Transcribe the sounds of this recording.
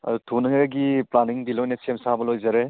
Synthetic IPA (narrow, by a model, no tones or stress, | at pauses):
ɐ̰dutʰunɐŋɡiplaniŋdilojnɐsemsabɐlojzaɾe